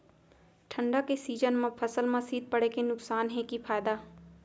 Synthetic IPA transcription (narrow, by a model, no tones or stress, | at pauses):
ʈʰə̃ɳɖakesiːd͡ʒənmãpʰɐsəlmãsiːd̪̚pɐɽekenʊksaːnɦɛ̃kifaːjd̪aː